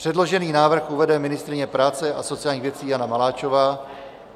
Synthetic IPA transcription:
r̥ɛdlo̞ʒɛniːnaːvr̩xuvɛdɛmɪnɪst̪ɾɪɲɛpɾaːt͡sɛʔaso̞t͡sɪjaːlɲiːxvjɛt͡siːjanamalaːt͡ʃo̞vaː

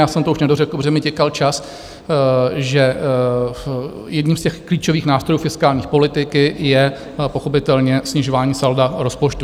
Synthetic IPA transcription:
jaːsɛmt̪ouʃnɛdorɛkl̩brɛmɪcɛkalt͡ʃas | ʒɛ | jɛdɲiːmscɛxkliːt͡ʃo̞viːxnaːst̪ɾo̞juːfɪskaːlɲiːxpo̞lɪt̪ɪkɪjɛ | po̞xo̞pɪt̪ɛlɲɛsɲɪʒo̞vaːɲiːsaldaɾo̞spot͡ʃt̪u

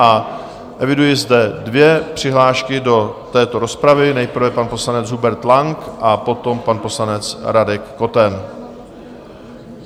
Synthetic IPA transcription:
ʔa | ʔɛvɪdujɪzdɛdvjɛpr̝̥ɪɦlaːʃkɪdo̞t̪ɛːt̪o̞ɾo̞spɾavɪnɛjpɾ̩vɛpanpo̞slanɛd͡zɦubɛɾt̪laŋkʔapo̞t̪o̞mpanpo̞slanɛt͡sɾadɛkːo̞t̪ɛn

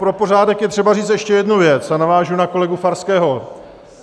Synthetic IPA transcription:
pɾo̞po̞raːdɛkjɛt̪r̝̥ɛbariːt͡st̪ɛʃcɛjɛdnuvjɛt͡sanavaːʒunako̞lɛɡufaɾskɛːɦo̞

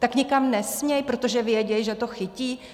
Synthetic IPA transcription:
t̪akɲɪkamnɛsmɲɛjpɾo̞t̪o̞ʒɛvjɛɟɛjʒɛt̪o̞xɪciː

